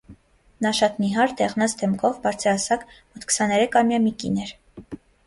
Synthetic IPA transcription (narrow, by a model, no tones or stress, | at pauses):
nɑʃɑt̪niɦɑɾd̪ɛʁnɑt͡sd̪ɛmkʰɔvbɑɾt͡sʰəɾɑsɑkmɔt̪ʰkʰə̥sɑnɛɾɛkʰɑmjɑmikḭnɛɾ